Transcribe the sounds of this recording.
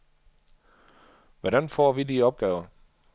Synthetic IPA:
ʋɒɾænfɔ̰ːʋidiɒ̽b̥̚ɡ̥ɛːʊɐ

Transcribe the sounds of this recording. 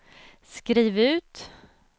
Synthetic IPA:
skɾiːvʉ̟ːt̪

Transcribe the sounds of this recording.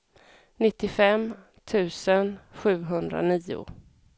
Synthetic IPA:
nɪt̪ːɪfɛm | t̪ʰʉ̟ːsənɧʉ̟ːɦɵnd̪ɾa̰niːʊ̰

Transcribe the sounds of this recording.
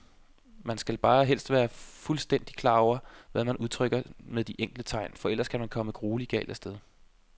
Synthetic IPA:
mænsɡ̥ælb̥ɑ̈ːɦel̰sd̥ʋæːɐfulsd̥en̰d̥ikʰlɑ̈ːɒʊ̰ɐʋæmænʔuð̞ˠt͡sʰʁœɡ̥ɐmeðˠd̥iʔeŋ̰ɡ̥lət͡sʰɑ̈ɪ̰nfɒ̽el̰ɐskʰæmænkʰɒ̽məɡ̥ʁoːliɡ̥ɛ̰ːld̥æsd̥eð̞ˠ

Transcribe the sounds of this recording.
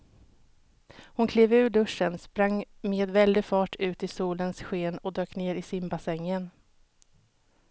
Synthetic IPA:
hʊnkʰleːvʉ̟ːɖɵʂːənspɾaŋːmeːd̪vɛld̪ɪfɑːʈʉ̟ːt̪ɪsuːlənsɧeːnɔd̪øːkneːɾɪsɪmbasɛŋːən

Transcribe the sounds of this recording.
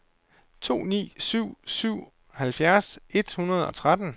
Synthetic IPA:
t͡sʰo̝̰ːnḭːsyʊ̰syʊ̰ | hælfjæɐse̝d̥hunɐð̞̩ˠɒ̽t͡sʰʁad̥n̩

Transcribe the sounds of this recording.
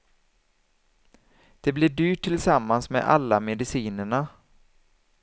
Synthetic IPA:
d̪̥ɛblɪɖyːʈʰːɪlsamːansmɛ̰ʔa̰lːamɛd̪ɪsiːnəɳa

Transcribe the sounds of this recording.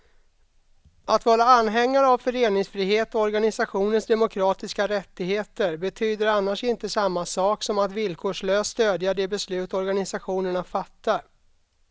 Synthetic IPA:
at̪vɑːɾaanːɦɛŋːaɾavfœɾeːnɪŋsfɾiːɦeːt̪ɔɔɾɡanɪsaɧuːnənsd̪ɛmʊkʰɾɑːt̪ɪskaɾɛt̪ːɪɡheːt̪əɾbɛt̪ʰyːd̪əɾanːaʂɪnt̪əsamːasɑːksɔmat̪vɪlkʰoːʂɭøːsːt̪øːd̪jaɖɛbɛslʉ̟ːt̪ɔɾɡanɪsaɧuːnəɳafat̪ːaɾ

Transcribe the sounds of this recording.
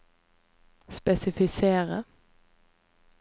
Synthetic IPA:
spɛsɪfɪseːʁə

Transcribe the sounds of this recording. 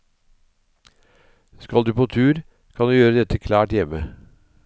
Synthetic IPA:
skɑld̪ʉːpʰoːt̪ʰʉːɾ | kʰɑnd̪ʉːjøːɾəd̪ɛt̪əkʰlɑːʈjɛmə

